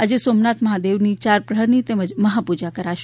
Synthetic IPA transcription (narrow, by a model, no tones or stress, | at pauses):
əd͡ʒesomnat̪məɦad̪eʋnit͡ʃaɾpɾəɦəɾnit̪eməd͡ʒməɦapud͡ʒakəɾaʃ